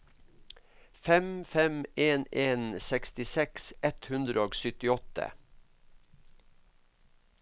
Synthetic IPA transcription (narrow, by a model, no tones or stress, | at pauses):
fɛmfɛmeːneːnsɛkst̪ɪsɛksɛt̪hʉnd̪ɾəoːɡsʏt̪ɪɔt̪ə̰